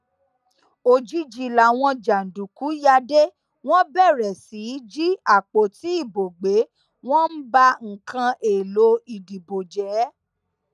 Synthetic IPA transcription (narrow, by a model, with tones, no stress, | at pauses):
o˧˨d͡ʒi˦d͡ʒi˦la˨˦w̃ɔ̃˧d͡ʒa˨n̩˨du˨ku˨˦ja˧de˦ | w̃ɔ̃˦bɛ˦˨ɾɛ˨si˨˦d͡ʒi˦a˦˨k͡po˨ti˨˦i˦˨bo˨ɡ͡be˨˦ | w̃ɔ̃˦n̩˦ba˦ŋ̩˨kã˧ʔe˨lo˨˦i˨di˨bo˨d͡ʒɛ˨˦